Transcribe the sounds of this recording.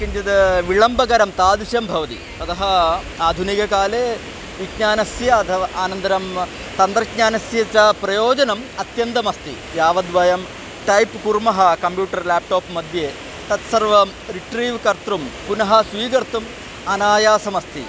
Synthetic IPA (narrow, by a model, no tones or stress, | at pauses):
kind͡ʒɐd̪ɨʋiɭɐmbɐɡɐɾɐmt̪aːd̪iʂjɐmbʱɐʋɐt̪ḭ | t̪ɐt̪ɐɦɐ | aːd̪ʱunikɐkaːleː | ʋikɲaːnɐsjɐɐt̪ʰɐʋɐʔaːnɐnd̪ɐɾɐm | t̪ɐnd̪ɾɐkɲaːnɐsjɐt͡ʃɐpɾɐjoːd͡ʒɐnɐmɐt̪jɐnd̪ɐmɐst̪ḭ | jaːʋɐd̪ʋɐjɐm | ʈɐjpkuɾmɐɦɐkɐmpjuːʈɐrlaːp̚ʈoːpmɐd̪ʱjeː | t̪ɐt̪sɐrʋɐm | ɾiʈɾiːʋkɐɾt̪ɾumpunɐɦɐsʋiːɡɐɾt̪um | ɐnaːjaːsɐmɐst̪ḭ